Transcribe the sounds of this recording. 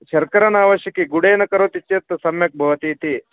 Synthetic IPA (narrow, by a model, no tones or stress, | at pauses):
ʃɐɾkɐɾɐnaːʋɐʃjɐkiɡuɽeːnɐkɐɾot̪it͡ʃːet̪ːɐsɐmjɐk̚bʱɐʋɐt̪iːt̪i